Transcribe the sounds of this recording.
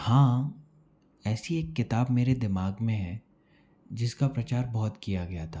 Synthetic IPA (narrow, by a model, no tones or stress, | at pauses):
hãː | ɛːsieːkːɪt̪aːbmeːɾed̪ɪmaːɡmẽɦɛ̃ | d͡ʒɪskapɾɐt͡ʃaːɾbɐɦʊt̪kijaɡɐjat̪ʰaː